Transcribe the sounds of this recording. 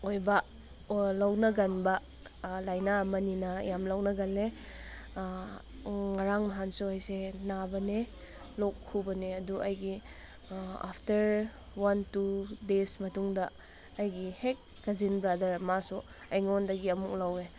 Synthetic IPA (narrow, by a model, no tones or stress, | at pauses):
ojbɐ | lawnɐɡɐnbɐ | lajnamɐninɐjamlawnɐɡɐle | ŋaɾaŋmaɦansuajsenabɐne | lɔkʰːubɐneɐduʔɐjɡi | a̰pʰtɐɾ | wantudesmɐtuŋdɐː | jɡihek̚ | ɡɐzinbɾadɐɾmasu | ajŋɔndɐɡiɐmuk̚lawe